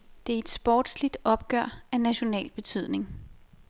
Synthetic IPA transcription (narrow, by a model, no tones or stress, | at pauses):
d̥e̝æɐe̝d̥sb̥ɒ̰ːd̥slid̥ɒ̽b̥̚ɡ̥ɶɐ̰ænæɕo̝nɛ̰ːlb̥e̝t͡sʰyð̰ˠne̝ŋ